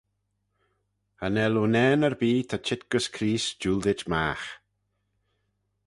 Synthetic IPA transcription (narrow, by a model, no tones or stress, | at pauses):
ənɛlunɛːnəɾbiːt̪ʰat͡ʃʰɪt̪̚ɡ̥əskʰɾiːsd͡ʒuːld̪ɪt͡ʃma̰ːx